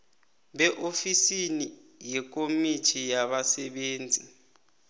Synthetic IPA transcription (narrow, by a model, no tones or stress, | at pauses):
ɓɛʔofisini | jɛk̬ʼomitʰijaɓasɛɓeːnd͡zʱi